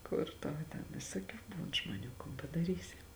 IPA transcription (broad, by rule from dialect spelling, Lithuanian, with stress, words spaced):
ˈkʊr tɐʊ tʲɛn ʋʲɪsoːˈkʲuː ˈbuːn ʒmoːˈnʲuː koːn pɐdɐˈrʲiːsʲɪ